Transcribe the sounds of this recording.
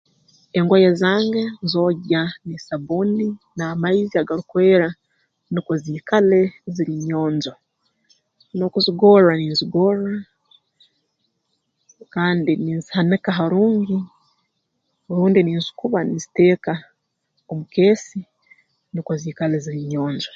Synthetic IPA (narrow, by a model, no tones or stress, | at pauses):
eŋɡojezaːŋɡenzo̞ːɟanisaβuninaːmaiziaɡaɾukwe̞ːɾa | nikwoziːkale̞ziɾiɲo̞ːnzo | no̞kuziɡo̞ɾaniːnziɡo̞ːɾa | kaːndiniːnzi̥hanikaɦaɾuːɲɡi | ɾuːndiniːnzu̥kuβanizite̞ːka | omuke̞ːsi | nikoziːkale̞ziɾiɲo̞ːɲd͡ʒo